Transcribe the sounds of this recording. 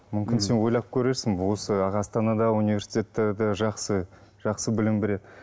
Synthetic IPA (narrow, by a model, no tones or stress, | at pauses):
mʏmkʲɪnse̞nwo̞jlˠɑp̚kʲʰɵɾe̞ɾsɪŋwo̞səɑʁɑːst̪ɑnɑd̪ɑunivʲe̞ɾsi̥t̪ʲe̞t̪ːed̪əʒɑqsə | ʒ̥ɑqsəbɪlɪmbɪɾe̞d̪ɪ